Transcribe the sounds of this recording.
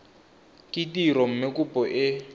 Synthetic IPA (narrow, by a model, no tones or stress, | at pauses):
kʼɪtiɾɔm̩mɪkʼupʼɔʔɪ